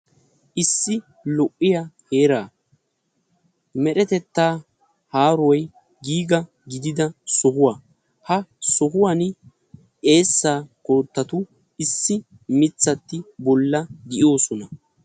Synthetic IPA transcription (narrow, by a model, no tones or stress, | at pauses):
ʔɪsːɪ | lɔʔːɪjaheːɾaː | mɛɗɛt̪ɛt̪ːaː | haːɾwɔj | ɡiːɡɐ | ɡɪd̪ɪd̪ɐsɔɦʊwa | hɐsɔɦʊwɐn | ʔe̞ːsːaːkoːt̪ːɐt̪ʊ | ɪsːɪ | mɪt͡sːɐt̪ːɪbɔlːɐɡ̪ɪʔo̞ːsɔnɐ